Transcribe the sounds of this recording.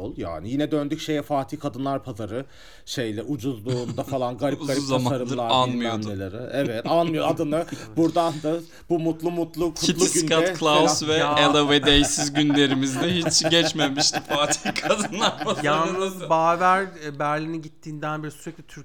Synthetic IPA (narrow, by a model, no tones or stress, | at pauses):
olˠja̰ːnijinɛd̪ønd̪ycʃejɛfaːt̪ʰihkʰad̪ɯnlˠaɾpʰazaɾɯ | ʃejlʲɛʔud͡ʒuzlˠund̪afalˠanɡaɾipaɾizamaaɾɯd̪ɯaɾanmɯjond̪elˠaɾɯɛvɛt̪anmɯjoad̪ɯnɯbuɾd̪and̪a | bumut̪lˠumut̪lˠukʰuitlˠisynkakʰlˠasvɛelˠoved̪ejsizɟynlʲe̞ɾimizd̪ɛɦit͡ʃɟɛt͡ʃmemiʃt̪faːt̪ʰi̥hkʰad̪ɯnlˠaɾpʰazjanɯzbaːvæɾbæɾlʲiniɟit̪ʰːiːnd̪ænbiɾisyɾɛclʲit̪ʰyɾ